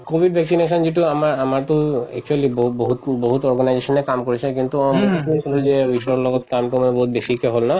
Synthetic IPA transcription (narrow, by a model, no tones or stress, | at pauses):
kobʱiɖbʱɛksineʃɔnd͡ʑeʈ̬uamaɾamaɾt̪oɛ̰k̚t͡ʃualiboboɦut̪boɦut̪ɔɾɡanajeʃɔnekamkoɾet͡ɕʰekint̪umokikuekobed͡ʑeiʃɔlɔɡɔt̪̚kamʈomɔboɦut̪̚beʃikeɦolna